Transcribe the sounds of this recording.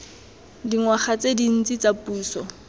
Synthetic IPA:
diŋwaχat͡sedin̩t͡sʼit͡sapuːsɔ

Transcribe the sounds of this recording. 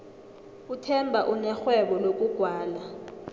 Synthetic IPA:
utʰɛmbʱaʔunɛxwɛɓɔlok̬ʼuɡ̥ʱwaːla

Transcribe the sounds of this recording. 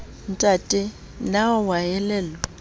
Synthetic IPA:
n̩tʼatʼɪ | nawajɛlɛːlɔ

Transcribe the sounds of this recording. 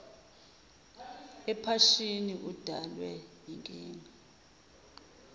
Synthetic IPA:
ɛpʰaʃiniʔud̥ʱalwɛjiŋkʼiːŋa

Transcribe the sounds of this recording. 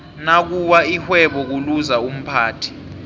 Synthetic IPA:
nak̬uwaihwɛɓɔk̬uluzaum̩pʰaːtʰi̥

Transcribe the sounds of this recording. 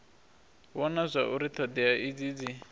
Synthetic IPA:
βɔnazʷaʔuɾit̪ʰɔd̪ɛaʔid͡zid͡zi

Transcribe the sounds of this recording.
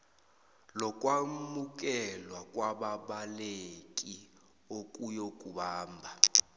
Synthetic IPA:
lɔkʼwamuk̬ʼɛlwakʼwaɓaɓalekʼi | okʼujokʼuɓaːmbʱa

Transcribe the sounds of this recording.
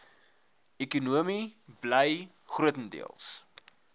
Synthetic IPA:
ɛkunuəmibləj | χruətəndḭəlˠs

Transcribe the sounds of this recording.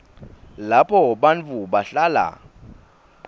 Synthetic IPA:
lapʰɔɓant͡fuɓaɬaːla̰

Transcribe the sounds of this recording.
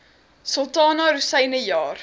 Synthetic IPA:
sɔlˠtɑːnɑɾusɛjnəjɑːr

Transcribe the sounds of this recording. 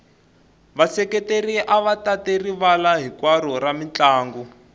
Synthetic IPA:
βasɛkɛteriʔaβatateriβalaɦikwaɾɔramit͡ɬaːŋɡu

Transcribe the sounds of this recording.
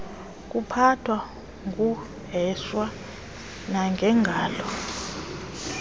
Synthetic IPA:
k̬ʼupʰatʰwa | ŋkʼu | ɦɛswa | naŋɡʱɛŋɡʱaːlɔ

